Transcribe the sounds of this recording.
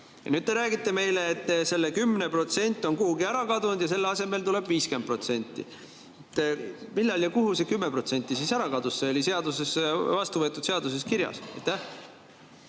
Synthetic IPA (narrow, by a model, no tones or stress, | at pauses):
jɑ̰nyd̪̚t̪e̞ɾæːɡit̪ːˑe̞me̞jleːt̪ːse̞lːekymːnepro̞t̪se̞nʲt̪ʲːˑo̞nkuhuɡiæɾɑkɑd̪und̪̥jɑse̞lːeɑse̞me̞lt̪ule̞b̥viːskempro̞t̪se̞nʲt̪ːˑḭ | et̪ːmilːɑljɑkuɦusekymːe̞pro̞t̪se̞nʲt̪ːˑisisæɾɑkɑd̪̥usːeolʲise̞ɑd̪̥use̞svɑst̪uvɤet̪ːˑud̥̪se̞ɑd̪̥us̬e̞skiɾjɑ̰sɑ̰jt̪ːæh